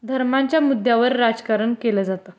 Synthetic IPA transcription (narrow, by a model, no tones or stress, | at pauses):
d̪ʱəɾmaɲt͡ɕjamud̪ʱjaʋəɾːad͡zkaɾəɳkeləd͡zat̪ə